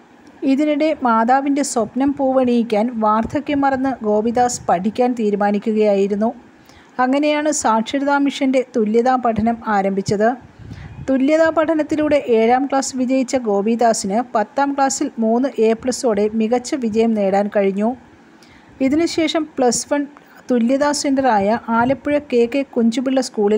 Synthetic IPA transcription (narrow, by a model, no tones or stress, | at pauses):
iðinuɽe̞maːðaːʋinde̞swopnɐmpuːʋɐɳijikʲːaːnʋaːrt̪ʰɐkʲːemːɐrɐnːɨɡo̞ːbiðaːspɐʈʰikʲːaːnt̪iːɾumaːnikʲːuɣɐjaːjiɾunːu | ɐŋːɐne̞jaːɳɨsaːkʂɐɾiðaːmiʂɐnde̞t̪uljɐðaːpɐʈʰɐnɐmaːɾɐmbʱit͡ɕːɐðɨ | t̪uljɐðaːpɐʈʰɐnɐt̪ːiluːɽe̞ʔeːɻaːmkɭaːsɨʋid͡ʑɐjit͡ɕːɐɡo̞ːbid̪aːsinɨpɐt̪ːaːmkɭaːsilmuːnːɨʔeːpɭɐsoːɽe̞miɣɐt͡ɕːɐʋid͡ʑɐjɐmne̞ːɽaːnkɐɻiɲːu | iðinɨɕe̞ːʂɐmpɭɐsʋɐn | t̪uljɐðaːsendɐraːjɐʔaːlɐpːuɻɐke̞ːkːekuɲd͡ʑumiɭːɐskuːɭil